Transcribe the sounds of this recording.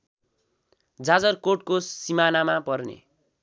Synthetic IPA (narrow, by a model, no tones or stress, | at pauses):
d͡zad͡zʌrkoʈkosimanamapʌrnḛ